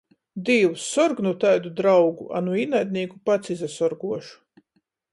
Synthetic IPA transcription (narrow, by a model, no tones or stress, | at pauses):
d̪iːwusːɔɾɡnut̪ajd̪ud̪ɾawɡṵʔa̰nuinajd̪̚ʲnʲiːkupat̪sizasɔɾɡuɔʃu̥